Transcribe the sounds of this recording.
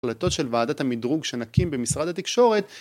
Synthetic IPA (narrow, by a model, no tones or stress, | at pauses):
lat̪o̞t̪ʃe̞lvaːdat̪hamidʁuɡʃenakimbemisʁad̪at̪ikʃo̞ʁet̪